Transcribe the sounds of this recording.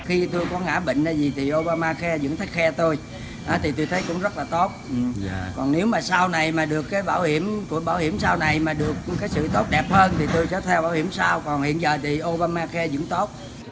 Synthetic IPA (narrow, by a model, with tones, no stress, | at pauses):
xi˧t̪o˧jkɔ˨˦ŋa̰ː˧˥ɓḭ˧˨ŋ̟ɗaː˧˩zi˨˩t̪ʰi˨˩ʔo˧ɓaː˧maː˧xɛ˧zɨ̰˧˥ŋt̪ʰə˨˦˥k̚xɛ˧t̪o˧j | ʔa˨˦t̪ʰi˨˩t̪o˧jt̪ʰə˨˦jkʊ̰˧˥ŋ͡mzə˦˥t̚laː˨˩t̪o˦˥t̚ʔkɔ˨˩nne˨˦wmaː˨˩saː˧wna˨˩jmaː˨˩ɗɨ˨˩əkːaː˨˦jɓaː˧˩whi˧˩əmku˧˥əɓaː˧˩whi˧˩əmsaː˧wna˨˩jmaː˨˩ɗɨ˨˩ək̚kaː˨˦jsɨ̰˧˨t̪o˦˥t̚ɗɛ˨˩p̚həː˧nt̪ʰi˨˩t̪o˧jt͡ɕəː˧˩t̪ʰɛ˧wɓaː˧˩whi˧˩əmsaː˧wkɔ˨˩nhḭ˧˨ənzəː˨˩t̪ʰi˨˩ʔo˧ɓaː˧maː˧xɛ˧zɨ̰˧˥əŋt̪o˦˥t̚